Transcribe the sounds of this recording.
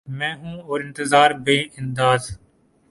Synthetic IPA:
mɛ̃ːɦũːoːɾɪnt̪ɪzaːɾbeːɪnd̪aːz

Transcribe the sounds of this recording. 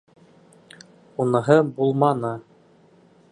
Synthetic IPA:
unɤ̆ɦɤbulˠmɑnɤ

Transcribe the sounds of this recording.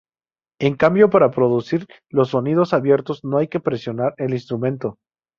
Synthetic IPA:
e̞ŋkambjo̞paɾapɾo̞ðusiɾ | lo̞s̬ːo̞nið̞o̞saβje̞ɾt̪o̞zno̞ajke̞pɾe̞sjo̞naɾe̞linst̪ɾumẽ̞nt̪o̞

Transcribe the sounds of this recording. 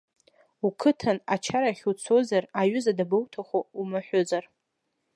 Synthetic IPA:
ukʰɨtʰanat͡ʃʰaɾaχʲut͡sʰozaraɥʊzadabowtʰaχʷoumaħʷᶣʊzar

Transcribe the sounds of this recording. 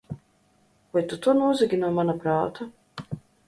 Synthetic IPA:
kajt̪ut̪uɔnuːziɡʲinuɔmanapɾaːt̪u

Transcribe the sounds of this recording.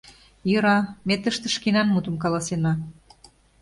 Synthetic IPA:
jəɾɑmet̪əʃt̪ə̆ʃkinɑnmut̪ə̆mkɑlɑsenɑ

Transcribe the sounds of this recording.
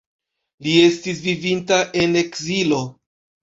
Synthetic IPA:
lie̞stisvivintaʔe̞ne̞kzilo̞

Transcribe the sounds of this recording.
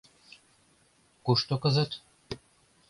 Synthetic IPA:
kuʃt̪okɤ̆zɤ̆t̪

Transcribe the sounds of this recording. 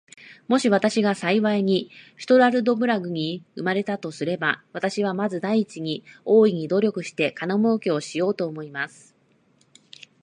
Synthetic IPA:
mo̞ɕiβ̞at̪aɕiɡasaiβaiɲ̟isi̥t̪o̞ɾaɾɯ̟d̪o̞bɯ̟ɾaɡɯ̟ɲ̟iɯmaɾe̞t̪at̪o̞sɨɾe̞baβat̪aɕiβ̞amazɨd̪aiːt͡ɕiɲ̟io̞ːiɲ̟id̪o̞ɾʲo̞kɯ̟ɕi̥t̪e̞kanomookeo̞ɕijo̞ːt̪o̞ːmo̞imasɨ̥

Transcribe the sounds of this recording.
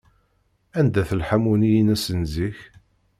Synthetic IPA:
ænd̪æθəlħamunijənæsənziç

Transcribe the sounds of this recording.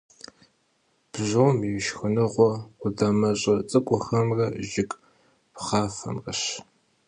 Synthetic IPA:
b̥ʑowmiwʃxɨnɨʁʷɔʊdɐmɐɕʼɐt͡sʼɨkʷʼʊxɐmrɐʒɪkʼ | pχɑːfɐ̰mrɐɕ

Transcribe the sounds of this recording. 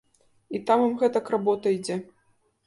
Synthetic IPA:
it̪amimɣɛt̪ɐkrabɔt̪ɐjd͡zʲɛ

